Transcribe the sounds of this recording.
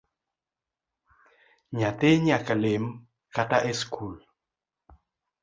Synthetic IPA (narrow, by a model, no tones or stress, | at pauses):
ɲat̪eɲakalem | kataʔeskʰul